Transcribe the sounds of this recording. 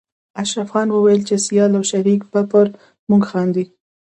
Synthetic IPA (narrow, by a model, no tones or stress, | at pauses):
aʃɾafxɑnwəwajəlt͡ʃesijɑlawʃaɾikpapəɾ | muɡxɑnd̪i